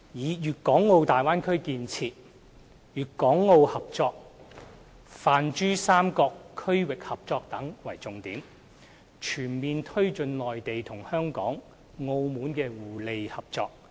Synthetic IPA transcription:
jiː˨˧jyː˨t̚kɔː˨˥ŋːo˧wt̪aː˨jwaː˥nkʰɵ˥ɥkiː˧nt͡sʰiː˧t̚ | jyː˨t̚kɔː˨˥ŋːo˧whɐ˨p̚t͡sɔː˧k̚ | faː˨nt͡ʃyː˥saː˥mkɔː˧kʰːɵ˥ɥwɪ˨k̚hɐ˨p̚t͡sɔː˧k̚t̪ɐ˨˥ŋwɐ˨˩jt͡sʊ˨˧ŋt̪iː˨˥m | t͡ʃʰyː˨˩nmiː˨nt̪ʰɵ˥ɥt͡sɵ˧nlɔː˨jt̪e˨jt̪ʰʊ˨˩ŋhœː˥ŋkɔ̰ː˨˥ŋː | o˧wmuː˨˥nkɛː˧wuː˨˩le˨jhɐ˨p̚t͡sɔː˧k̚

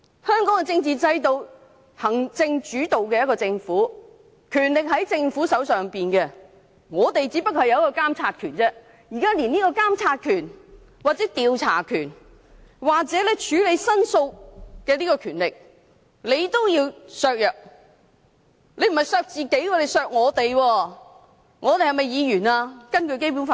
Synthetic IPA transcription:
hœː˥ŋkɔː˨˥ŋɛ˧t͡sɪ˧ŋt͡siː˨t͡sɐ˧jt̪o˧w | hɐ˨˩ŋt͡sɪ˧ŋt͡ʃyː˨˥t̪o˨wkɛː˧jɐ˥kɔː˧t͡sɪ˧ŋfuː˨˥ | kʰyː˨˩nlɪ˨k̚ɦɐ˨˥jt͡sɪ˧ŋfuː˨˥sɐ˨˥wsœː˨ŋpiː˨nkɛ˧ | ŋɔː˨˧t̪e˨jt͡siː˨˥pɐ˥k̚ɐ˨jɐ˨˧wjɐ˥kɔː˧kaː˥mt͡sʰaː˧t̚kʰyː˨˩nt͡sɛː˥ | jiː˨˩kaː˥liː˨˩niː˥kɔː˧kaː˥mt͡sʰaː˧t̚kʰyː˨˩n | waː˨k̚t͡sɛː˨˥t̪iː˨˧wt͡sʰa̰ː˨˩kʰyː˨˩n | waː˨k̚t͡sɛː˨˥lɛ˥t͡ʃʰyː˨˥le˨˧jsɐ˥nso˧wkɛː˧liː˥kɔː˧kʰyː˨˩nlɪ˨k̚ | le˨˧jt̪o˥wjiː˧wsœː˧k̚jœː˨k̚ | le˨˧jm̩˨˩hɐ˨jsœː˧k̚t͡siː˨ke˨˥jkɔː˧le˨˧jsœː˧k̚ŋɔː˨˧t̪e˨jwɔː˧ | ŋɔː˨˧t̪e˨jhɐ˨jmɐ˨˩jjiː˨˧jyː˨˩naː˧kɐ˥nkɵ˧ɥke˥jp̬u˨˥nfa˧

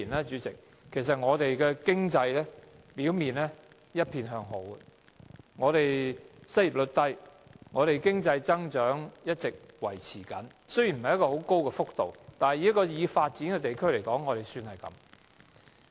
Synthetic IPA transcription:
i˨˩nɛː˥t͡ʃyː˨˥t͡sɪ˨k | kʰːe˨˩js̬ɐ˨t̚ŋɔː˨˧t̪e˨jkɛː˧kɪ˥ŋt͡sɐ˧jlɛː˥piː˨˥wmiː˨nlɛː˥ | jɐ˥t̚pʰiː˧nɦœː˧ŋɦo˨˥w | ŋɔː˨˧t̪e˨jsɐ˥ji˨˩p̚lɵ˨˧t̚t̪ɐ˥jŋɔː˨˧ɾe˨jkɪ˥ŋt͡sɐ˧jt͡sɐ˥ŋt͡ʃœː˨˥ŋjɐ˥t̚t͡sɪ˨k̚wɐ˨˩jt͡sʰiː˨˩kɐ˨˥n | sɵ˥ɥji˨˩nm̩˨ɐ˨jɐ˥tkɔː˧ho˨˥wko˥wkɛː˧fʊ˥k̚t̪o˨wt̪aː˨nhɐ˨jiː˨˥kːɔː˧jiː˨˧faː˧t̚t͡siː˨˥nkɛ˧t̪e˨jkʰɵ˥ɥle˨˩jkɔː˨˥ŋːɔː˨˧ɾe˨jsyː˧nhɐ˨jkɐ̰˨˥m

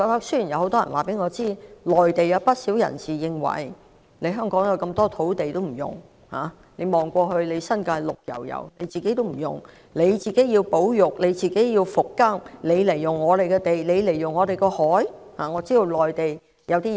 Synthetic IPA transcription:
kɔː˧˥t̪ɐ˥k̚sɵ˥jiː˨˩njɐ˨˧who˨˥wt̪ɔː˥ɐ̰˨˩nwa̰ː˨˩pe˨˥jŋɔː˨˧t͡siː˥lɔː˨˩jt̪e˨jɐ˨˧wpɐ˥t̚siː˨˥wjɐ̰˨˩nsiː˨˩jɪ˧ŋwɐ̰˨˩j | le˨˧jɦœː˥ŋkɔː˨˥ŋjɐ˨˧wkɐ˧mt̪ɔː˥t̪ʰo˨˥wt̪e˨jt̪o˥wm̩˨˩jʊ̰˨˩ŋ | ha̰ː˨˧ | le˨˧jmɔː˨˩ŋkʷɔː˧ɦɵ˧ɥle˨˧jsɐ˥nkaː˧jlʊ˨k̚jɐ̰˨˩wjɐ̰˨˩wne˨˧jt͡siː˨ke˧˨˥jt̪o˥wm̩˨˩jʊ̰˨˩ŋ | ne˨˧jt͡siː˨ke˨˥jiː˧wpo˨˥wjʊ˨˩k̚le˨˧jt͡siː˨ke˨˥jiː˧wfʊ˨kːɐ˥ŋle˨˧jle˨˩jʊ˨˩ŋːɔː˨˧ɾe˨jkɛ˧t̪e˨˩jle˨˧jle˨˩jʊ˨˩ŋːɔː˨˧t̪e˨jkɔː˧hɔː˨˥j | haː˨˩ŋɔː˨˧t͡siː˥jo˨˧wlɔː˨jt̪e˨j | jɐ˨˧wt̪iː˥

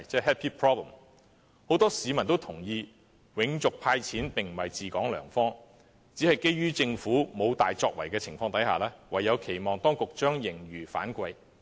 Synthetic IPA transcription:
t͡sɛː˥˩ɦɛ˥t̚pʰiː˥pʰɹɔː˥blə˨˩m | ho˨˥wt̪ɔː˥siː˨˧mɐ˨˩nt̪̬o˥wt̪ʰʊ˨˩ŋjiː˧ | wɪ˨˧ŋt͡sʊ˨k̚pʰaː˧jt͡sʰiː˨˥npɪ˨ŋm̩˨˩hɐ˨jt͡siː˨˩kɔː˨˥ŋlœ̰ː˨˩ŋfɔː˥ŋ | t͡si˨˥hɐ˨jke˥jɥyː˥t͡sɪ˧ŋfuː˨˥mo˨˧wt̪a̰ː˨jt͡sɔː˧k̚wɐ˨˩jkɛː˧t͡sʰɪ˨˩ŋfɔː˧ŋt̪ɐ˨˥jha̰ː˨lɛː˥wɐ˨jːɐ˨˧wkʰe˨˩jmɔː˨˩ŋt̪ɔː˥ŋkʊ˨k̚t͡ʃœː˥ŋjɪ˨˩ŋɥyː˨˩fa̰ː˨˥nkʷɐ˧j

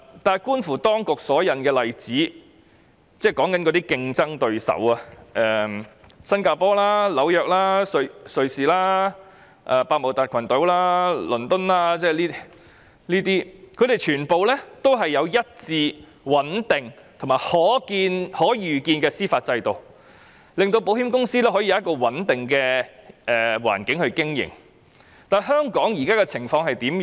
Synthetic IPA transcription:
t̪aː˨jkuː˥nfuː˨˩t̪ɔː˥ŋkʊ˨k̚sɔː˨˥jɐ˨nkɛː˧lɐ˨jt͡siː˨˥ | t͡sɛː˥˩kɔː˨˥ŋkɐ˨˥nkɔː˨˧˥t̪iː˥kɪ˧ŋt͡sɐ˥ŋt̪ɵ˧ɥsɐ̰˨˥wa˨ʔɛː˨sɐ˥nkaː˧pɔː˥laː˥lɐ˨˥wjœː˨k̚laː˥sɵ˧ɥsɵ˨ɥsiː˨laː˥ | ʔaː˨˧paː˧k̚mo˨˩t̪aː˨˩t̚kʰɐ˨˩nt̪ɵ˨˥wlaː˥lɵ˨˩nt̪ɵ˥nlaː˥t͡sɛː˥˧liː˥ | niː˥t̪iː˥kʰɵ˧ɥɾe˨˩jt͡ʃʰyː˨˩npo˨wlɛː˥t̪o˥wɦɐ˨jːɐ˨˧wjɐ˥t̚t͡siː˧ | wɐ˨˥nt̪ɪ˨˩ŋ | t̪ʰo˨˩maː˨jhɔː˨˥kiː˧nhɔː˨˥jyː˨kiː˧nkɛː˧siː˥faː˧t̚t͡sɐ˧jt̪o˨w | lɪ˨ŋt̪o˧wpo˨˥whiː˥mkʊ˥ŋsiː˥t̪ɛ˥ɦɔː˨˥i˨ɐ˨˦ɐ˥tkɔː˧wɐ˨˥nt̪ɪ˨ŋkɛː˧ʔɛː˨wa̰ː˨˩nkɪ˨˥ŋhɵ˧ɥkɪ˥ŋjɪ̰˨˩ŋ | t̪aː˨jɦœː˥ŋkɔː˨˥ŋjiː˨˩kaː˥kɛ˧t͡sʰɪ˨˩ŋfɔː˧ŋhɐ˨jt̪iː˨˥m

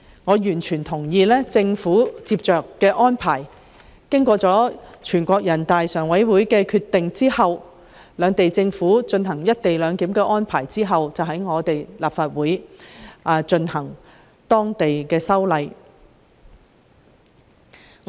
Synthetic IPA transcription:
ŋɔː˨˧jyː˨˩nt͡ʃʰyː˨˩nt̪ʰʊ˨˩ŋjiː˧lɛː˥t͡sɪ˧ŋfuː˨˥t͡siː˧p̚t͡ʃœː˨kːɛː˧ʔɔː˥npʰaː˨˩j | kɪ˥ŋkʷɔː˧t͡sɔː˨˥t͡ʃʰyː˨˩nkʷɔː˧k̚jɐ˨˩nt̪aː˨jsœː˨˩ŋwɐ˨˥jwuː˨˥jkɛː˧kʰyː˧t̚t̪ːɪ˨ŋt͡siː˥hɐ˨w | lœː˨˧ŋt̪e˨jt͡sɪ˧ŋfuː˨˥t͡ʃɵ˧nɦɐ˨˩ŋjɐ˥t̚t̪e˨jlœː˨˧ŋt̪iː˨˥mkɛː˧ʔɔː˥npʰaː˨˩jt͡siː˥ɦɐ˨wt͡sɐ˨wɦɐ˨˥jŋɔː˨˧t̪e˨jlaː˨pfaː˧t̚wuː˨˥jʔaː˨˧t͡ʃɵ˧nhɐ˨˩ŋ | t̪ɔː˥ŋt̪e˨jkɛː˧sɐ˥wlɐ˨˧j

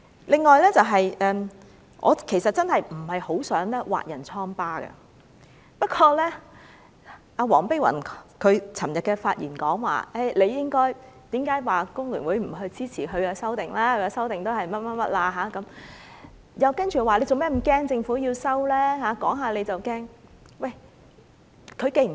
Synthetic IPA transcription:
lɪ˨˧ŋːɔː˨jlɛː˥t͡sɐ˨wɦɐ˨jʔɛː˨m | ʔɔ̰ː˨˧kʰe˨˩sɐ˨t̚t͡sɐ˥nhɐ˨jm̩˨˩hɐ˨jho˨˥wsœː˨˥ŋlɛː˥wa̰ː˨t̚jɐ˨˩nt͡sʰɔː˥ŋpaː˥ɡɐ̰˧ | pɐ˥t̚kʰɔː˧lɛː˥ | ʔaː˨˧wɔː˨˩ŋpe˥jwɐ̰˨˩nkʰɵ˨˧ɥt͡sʰɐ˨˩mjɐ˨t̚kɛ˧faː˧t̚jḭː˨˩nkɔː˨˥ŋwa̰ː˨ʔe˥˩jle˨˧jɪ˥ŋkɔː˥j | t̪iː˨˥mkaː˨˥jwaː˨˩kʊ˥ŋlyː˨˩nwuː˨˥jm̩˨˩ɦɵ˧ɥt͡siː˥t͡sʰiː˨˩ɦɵ˨˧ɥkaː˧sɐ˥wt̪ɪ˨ŋlaː˥hɵ˨˧ɥɛ˧sɐ˥wt̪ɪ˨ŋt̪o˥whɐ˨jmɐ˥t̚mɐ˥t̚mɐ̰˥t̚laː˧ɦaː˨˧˥kɐ˨˦m | jɐ˨˧wkɐ˥nt͡ʃyː˨˩waː˨le˨˧jt͡so˨wmɛː˥m̩˨˩kɛː˥ŋt͡sɪ˧ŋfuː˨˥jiː˧wsɐ˥wlɛː˥ɦaː˨˥kɔ̰ː˨˥ŋɦaː˨le˨˧jt͡sɐ˨wkɛː˥ŋ | wɐ˥˩j | kʰɵ˨˧ɥke˧jm̩˨

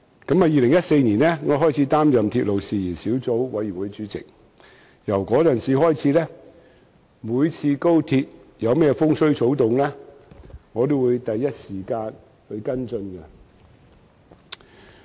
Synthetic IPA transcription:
kɐ˨˥mɐ˨jiː˨lɪ˨˩ŋjɐ˥t̚se˧jniː˨˩nɛ˥ŋɔː˨˧˥ɦɔː˥jt͡sʰiː˨˧˥t̪aː˥mjɐ˨˩mt̪ʰiː˧t̚lo˨wsiː˨jiː˨˩nsiː˨˥wt͡so˨˥wwɐ˨˥jy˨˩wuː˨˧jt͡syː˨˥t͡sɪ̰˨k̚ | jɐ˨˩wkɔː˨˥t͡sɐ˨˩nsiː˨˧hɔː˥jt͡sʰiː˨˥lɛː˥ | muː˨˧jt͡sʰiː˧ko˥wt̪ʰiː˧t̚ | jɐ˨˧wmɛː˥fʊ˥ŋsɵ˥ɥt͡so˨˥wt̪ʊ˨ŋlɛː˥ | ŋɔː˨˧t̪o˥wuː˨˧jt̪ɐ˨jːɐ˥t̚siː˨˩kaː˧n | hɵ˧ɥkɐ˥nt͡sɵ˧nɡɐ˧

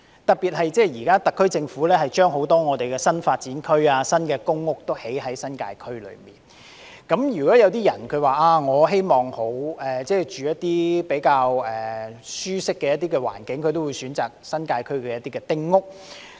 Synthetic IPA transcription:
t̪ɐ˨piː˨t̚hɐ˨jt͡sɛː˥˩jiː˨˩kaː˥t̪ɐ˨kʰːɵ˥ɥt͡sɪ˧ŋfuː˨˥lɛː˥hɐ˨jt͡ʃœː˥ŋɦo˨˥wt̪ɔː˥ŋɔː˨˧t̪e˨jkɛː˧sɐ˥nfaː˧t̚t͡siː˨˥nkʰɵ˥ɥaː˧sɐ˥nkɛː˧kʊ˥ŋːʊ˥k̚t̪o˥whe˨˥jɦɐ˨˥jsɐ˥nka̰ː˧jkʰɵ˥ɥlɵ̰˨˧mḭː˨˩n | kɐ˨˥mjyː˨˩kɔː˨˥jɐ˨˧wt̪iː˥jɐ˨˩nkʰɵ˨˧ɥwaː˨˩ʔaː˧ŋɔː˨˧ɦe˥jmɔː˨˩ŋho˨˥wɛː˨t͡sɛː˥˩jt͡ʃyː˨jɐ˥t̚t̪iː˥pe˨˥jkaː˧wɛː˨syː˥sɪ˥kːɛː˧jɐ˥t̪̚iː˥kɛ˧wa̰ː˨˩nkɪ˨˥ŋkʰɵ˨˧ɥt̪o˥wu˨˧jsyː˨˥nt͡saː˨˩k̚sɐ˥nkaː˧jkʰɵ˥ɥkɛː˧jɐ˥t̪iː˥kɛː˨˧t̪ɪ˥ŋːʊ˥k̚

